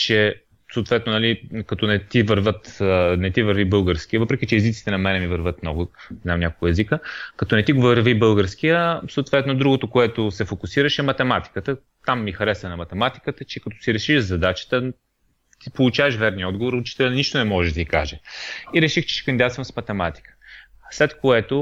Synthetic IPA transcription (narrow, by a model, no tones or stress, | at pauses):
t͡ʃɛ | soːt̪vɛt̪nonɐlikɐt̪ɔnɛt̪ivəɾvət̪nɛt̪ivəɾvibɤlˠɡəɾsk̟ijəvɤpɾɛkʲit͡ʃɛɛzit̪si̥t̪ɛnɐmɛnɛmivəɾvət̪̚mnɔ̰ɡʊamnʲakolˠkoɛzikəkɐt̪ɔnɛt̪iɡovəɾvibɤlˠɡəɾsk̟ijəsoːt̪vɛt̪nod̪ɾuɡot̪okoɛt̪osɛfokusiɾəʃɛmɐt̪ɛmat̪i̥kət̪ə | t̪amːixɐɾɛsənɐmɐt̪ɛmat̪i̥kət̪ət͡ʃɛkɐt̪ɔ̥siɾɛʃiʃzɐd̪at͡ʃə̥t̪ə | t̪ipolˠut͡ʃavɛʃvɛɾniɔd̪ɡovoɾut͡ʃi̥t̪ɛlʲɛnniʃt̪onɛmɔʒɛʒd̪ɐika̰ʒɛiɾɛʃixt͡ʃɛ̥ʃɛ̥kɐnd̪at̪svəmsmɐt̪ɛmat̪i̥kə̥ | slɛt̪koɛt̪o